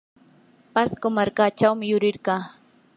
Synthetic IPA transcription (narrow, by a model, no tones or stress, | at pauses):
paskomaɾkaːt͡ʃawmɪjʊɾɪɾɢɑː